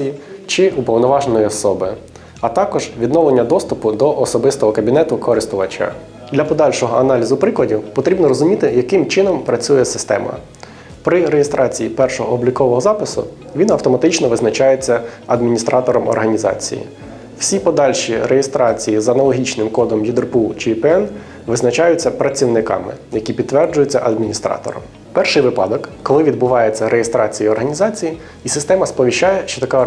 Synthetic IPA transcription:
ijit͡ʃɪupɔwnɔʋɑʒnɔjiɔsɔbɪ | ɐt̪ɑkɔʒʋʲid̪nɔʋlˠenʲːɐd̪ɔst̪ʊpʊd̪ɔʔɔsɔbɪst̪ɔɦɔkɐbʲin̪ɛt̪ʊkʰɔɾɪst̪ʊʋɐt͡ʃa̰ | d̪lʲɐpɔd̪ɑlʲʃɔɦɔɐnɑlʲizʊpɾɪklɐdʲiwpɔt̪ɾʲibnɔɾɔzʊmʲit̪ɪjɐkɪmt͡ʃɪnɔmpɾɐt͡sʲujɛsɪst̪ɛ̰mɐ̰ | pɾɪɾejest̪ɾɑt͡sʲijipɛrʃɔɦɔɔblʲikɔʋɔɦɔzɑpɪsʊ̰ | ʋʲinɐwt̪ɔmɐt̪ɪt͡ʃnɔʋɪznɐt͡ʃɑjet͡sʲːɐɐd̪mʲinʲist̪ɾʔɑt̪ɔɾɔmɔ̰rɦɐnʲizɑ̰t͡sʲḭjḭ | w̥sʲipɔd̪ɑlʲʃʲiɾejest̪ɾɑt͡sʲijizɐnɐlˠɔɦʲit͡ʃnɪmkɔd̪ɔmjid̪rput͡ʃɪpɛn | ʋɪznɐt͡ʃɑjʊt͡sʲːɐpɾɐt͡sʲiwnɪkɑ̰mɪ̰jɐkʲipʲid̪̚ːʋɛrd͡ʒʊjʊt͡sʲːɐʔɐd̪mʲinʲist̪ɾɑ̰t̪ɔ̰ɾɔ̰m | pɛrʃɪjʋɪpɑ̰d̪ɔkːɔlˠɪʋʲid̪̚bʊʋɑjet͡sʲːɐɾejest̪ɾɑt͡sʲijiɔrɦɐnʲizɑt͡sʲiji | isɪst̪ɛmɐspɔʋʲiʃt͡ʃːɑjɛʃt͡ʃɔt̪ɐkɑ

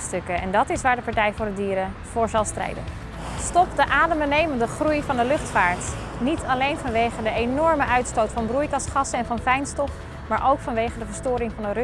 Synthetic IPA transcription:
stɵkəɛndɑtɪsʋaːɹdəpɑɹtɛjvʊːɹdədiːɾə | v̥ʊːɹzɑlˠstrɛ̰jdə̰n | stɔpdəʔaːdəmənejməndəχrujvɑndəlɵχtfaːɹt | nitʰɑlejnvɑnʋejχədəenɔɹməʔœɥtstowtfɑnbrujkɑsχɑsəɛnvɑnfɛjnstɔf | maːɹʔowkfɑnʋejχədəvəɹstʊːɾɪŋvɑndər

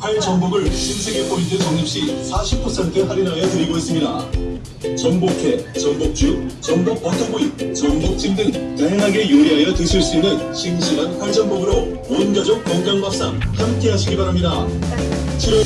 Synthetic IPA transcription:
haɭd͡ʑʌŋboɡɯɭɕʰimsʰe̞ɡepʰointʰet͡ɕʌŋɲip̚ɕ͈isʰaɕʰipʰʌsʰe̞ntʰɯɦaɾinajʌtɯɾiɡois͈ɯmɲida | t͡ɕʌŋbokʰe̞t͡ɕʌŋbok̚t͡ɕ͈ut͡ɕʌŋbok̚p͈ʌtʰoboit͡ɕʌŋbok̚t͡ɕ͈ʰiŋdɯŋkaɦʌŋɦaɡe̞joiɦajʌtɯɕʰiɭs͈uinːɯnɕʰimɕʰiɡanɸaɭd͡ʑʌŋboɡɯɾo | monɡjʌd͡ʑʌŋkʌŋɡjʌŋbap̚s͈aŋhamk͈e̞ɦaɕʰiɡibaɾamɲida | t͡ɕʰiɾʌ

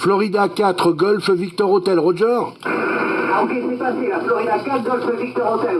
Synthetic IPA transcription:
flɔʁid̪akʲat̪χəɡɔlfvik̚t̪ɔʁot̪ɛlʁoʒɔʁ | aokɛsɛpaseaflɔʁid̪akat̪ɡɔlfvik̚t̪ɔʁot̪ɛl

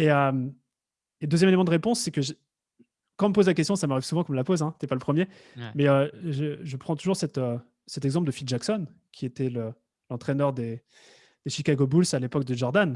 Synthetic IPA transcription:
eøm | ed̪øzjɛmelemɑ̃d̪əʁepɔ̃sːɛkəʒ | kɑ̃məpozlak̬ʲɛst̪jɔ̃samaʁiv̥suvɑ̃kɔ̃mlapozɛ̃t̪yɛpaləpχəmje | mɛøʒəʒəpχɑ̃t̪uʒuʁsɛt̪ø | sɛt̪ɛɡzɑ̃p̬ld̪əfild̪ʒaksɔn | kʲʰiet̪ɛlə | lɑ̃t̪χɛnœʁd̪e | d̪̥eʃikaɡobulsalepɔk̚d̪əʒɔʁd̪an

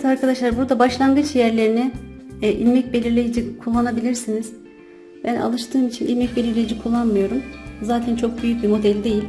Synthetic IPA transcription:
t̪ʰaɾkʰad̪aʃlˠaɾbuɾd̪abaʃlˠanɡɯt͡ʃjæɾlʲe̞ɾinɛʔilʲmɛc̚be̞lʲiɾlʲe̞jid͡ʒikʰulˠːanabilʲiɾsiniz̥ | bænʔa̰lˠɯʃt̪ʰɯːmit͡ʃʰinʔḭlʲmɛc̚be̞lʲiɾlʲe̞jid͡ʒikʰulˠːanmɯjo̞ɾumzaːt̪ʰænt͡ʃʰo̞k̚byjyc̚bimo̞d̪ælʲd̪e̞jilʲ

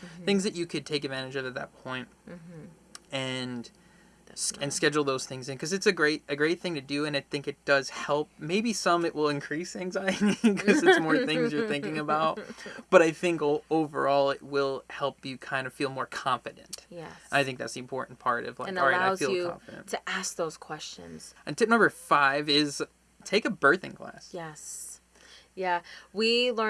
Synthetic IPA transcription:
θɪ̃ŋzðɨt͡ʃɨkʰɨd̚tʰeɪkɨdvæ̃ɾ̃nɨd͡ʒʌvɨt̪̚ðɨ̰t̚pʰɔ̃ɪ̃nt̚ | ɨ̃n | ɨ̃nskɛd͡ʒl̩ˠðoʊz̥θɪ̃ŋzɨ̃nkʰʌzɨtsɨɡɹeɪɾɨɡɹeɪt̪̚θɪ̃ŋtʰɨdɨɨ̃naɪθɪ̃ŋkɨt̚d̥ʌz̥hɛlˠp̚meɪbisʌ̃mɨʔwɪlˠɨ̃nkʰɹ̥isæ̃ŋzaɪɨɾikʰʌzɨsmɔɹθɪ̃ŋzjə˞θɪ̃ŋkɪ̃ŋɨbaʊt̚b̥ʌɾaɪθɪ̃ŋkoʊvə̰˞ɔlˠɪt̚wɪlˠhɛlˠpjɨkʰãɪ̃ndʌ̥filˠmɔɹkʰɑ̃ɱfɨɾɨ̰̃ntjɛ̃naɪθɪ̃ŋk̚ðæ̰tsðiɨ̃mpʰɔɹʔn̩pʰɑɹɾʌ̰v̥laɪ̃nkɹaɪɾaɪfilˠkɑ̰̃ɱfɨɾɨ̰̃nttʰɨʔæsk̚ðoʊz̥kʰw̥ɛst͡ʃɨ̰̃nz̥ɨ̃ntʰɪp̚nʌ̃mbə˞faɪvɪz̥ | tʰeɪkɨbɜ˞θɨ̰̃ŋkʰl̥æ̰sjɛs | jæwilɜ̃

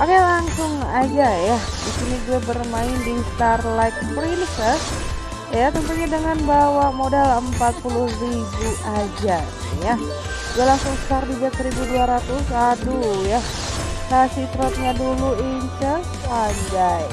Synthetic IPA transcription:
pakalaŋsʊŋad͡ʒajadisiniɡuabərmaɪndist̪arlajt̪̚pɾinsəs | jat̪ənt̪uɲadəŋanbawamodaləmpat̪̚pulʊhribuʔad͡ʒa | ja | ɡalaŋsʊŋst̪ardid͡ʒaksəɾibuduaɾat̪usaduja | sasit̪ɾɔt̪̚ɲaduluint͡ʃəsad͡ʒaj

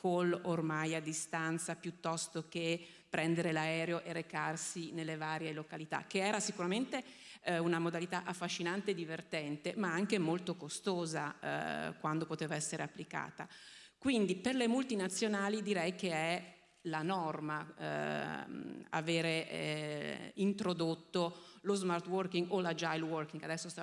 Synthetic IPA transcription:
kolormajad̪ːist̪ant̪sapjut̪ːɔst̪ok̟e | pːɾʔɛnd̪eɾelaɛːɾeoʔeɾekarsinelːevaːɾjelokalit̪a̰kːeɛːɾasikuɾament̪e | unamod̪alit̪aʔafːaʃːinant̪eːd̪ːivert̪ɛnt̪emaaŋkemolt̪okost̪oːza̰ | kwand̪opot̪eːvaɛsːeɾeapːlika̰ːt̪a | kwind̪iperlemult̪inat̪sːjonaːlid̪iɾɛjkeɛ | lanɔrma̰ | a̰veːɾe | int̪ɾod̪ot̪ːolozmart̪wɔrkiŋɡolad͡ʒajlwɔrkiŋɡad̪ɛsːost̪a

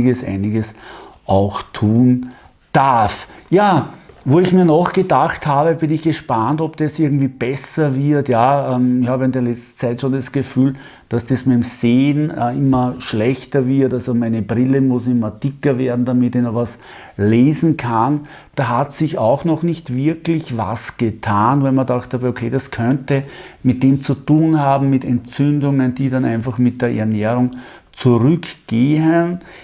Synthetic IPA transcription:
ɡəsʔæ̰ɪnɪɡəsʔɑʊxtʰuːn | d̥aɐfjaːvoːɪçmiːɐnɔxɡ̥ədaxthaːbəbɪnɪçɡ̥əʃpantɔbd̥asʔɪɐɡŋ̩tv̥iːb̥ɛsɐvɪɐtjaːɛmɪçhaːbəɪndeːɐlɛt͡stn̩t͡sæɪtʃondasɡ̥əfyːl | d̥asd̥asmɛɪmzeːnɪmɐʃlɛçtɐvɪɐtalzomæɪnəbʁɪləmʊsɪmɐd̥ɪkɐveːɐdn̩d̥amɪtɪnɔxvas | leːzn̩kʰan | d̥aːɦatsɪçɑʊxnɔxnɪçtv̥ɪɐklɪçva̰sɡ̥ətʰaːnvɛɪlmɐdaχthaːbokʰeːdaskʰœntəmɪt̚d̥eːmt͡sutuːnhaːbm̩mɪtɛntt͡sʏndʊŋənd̥iːdanæ̃ɪnfaχmɪt̚d̥eːɐʔɛɐnɛːʁʊŋ | t͡suʁʏkɡ̥eːɦən

